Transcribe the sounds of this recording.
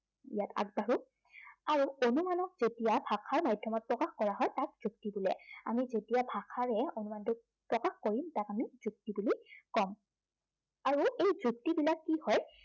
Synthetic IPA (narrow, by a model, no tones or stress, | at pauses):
ijatʰa̰ɡ̚baɹu | aɹuonumanɔk̚zetijabʱakʰaɹmajdʱːɔmɔt̚pɹɔkaxkɔɹaɦɔjtak̚z̥uk̚tibulɛ̰amizetijabʱakʰaɹɛonumantʊ | pɹɔkaxkoɹimtakamizuk̚tibulikɔm | aɹuʔejzuk̚tibilakːihɔj